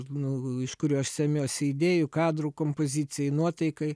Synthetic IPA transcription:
nʊɪʃkʊɾʲuːɐʃsʲɛmʲoːsʲɪid̪ʲeːjʊkɑːd̪ɾuːkoːmpozʲit͡ssʲɪjɛɪnuɔt̪ɐɪkɐɪ

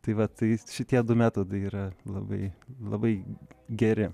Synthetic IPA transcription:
t̪ɐɪʋɐt̪ɐɪʃʲɪt̪ʲiɛd̪ʊmʲæːt̪oːd̪ɐɪiːɾɐlˠɐbɐɪlˠɐbɐɪɡʲɛɾʲɪ

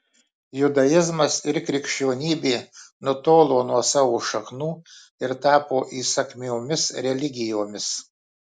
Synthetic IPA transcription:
jʊd̪ɐjɪzmɐsɪɾkɾʲɪkʲʃʲt͡ʃʲoːnʲiːbʲeːnʊt̪oːlˠoːnuɔsɑːʋoːʃɐxnuː | ɪɾt̪ɑːpoːʔiːsɐkʲmʲoːmʲɪsɾʲɛlʲɪɡʲɪjoːmʲɪs

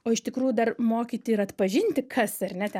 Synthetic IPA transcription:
oːɪʃt̪ʲɪkɾuːjʊd̪ɐrmoːkʲiːt̪ʲɪɪɾɐt̪pɐʒʲɪnʲt̪ʲɪkʰɐsɐrʲnʲɛt̪ʲɛ

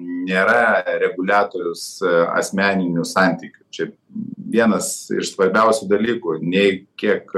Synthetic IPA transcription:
nʲeːɾɐɾʲɛɡʊlʲæːt̪oːɾʲʊsɐ̰sʲmʲæːnʲɪnʲʊsɑˑnʲt̪ʲiːkʲʊ̥t͡ʃʲɛ | ʋʲiɛnɐsɪ̰ʃsʋɐɾʲbʲɛʊsʲʊd̪ɐlʲiːkʊnʲɛɪkʲiɛk

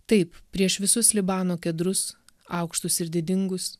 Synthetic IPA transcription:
t̪ɐɪppʲɾʲiɛʃʋʲɪsʊslʲɪbɑːnoːkʲɛd̪ɾʊs | ɑ̰ʊkʃt̪ʊsɪɾd̪ʲɪd̪ʲɪŋɡʊs

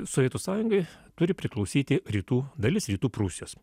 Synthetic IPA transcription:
soʋʲiɛt̪uːsɑːjʊŋɡɐɪt̪ʊɾʲɪpʲɾʲɪklˠɒʊsʲiːt̪ʲɪɾʲiːt̪uːd̪ɐlʲɪsɾʲiːt̪uːpɾusʲɪjoːs

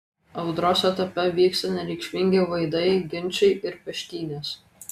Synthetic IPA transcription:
ɐʊd̪ɾoːsɛt̪ɐpʲɛʋʲiːkst̪ɐnʲɛɾʲɛɪkʃʲmʲɪŋʲɡʲeʋɐɪd̪ɐɪɡʲɪnʲˑt͡ʃʲɛɪɪɾpʲɛʃʲk̪ʲiːnʲeːs

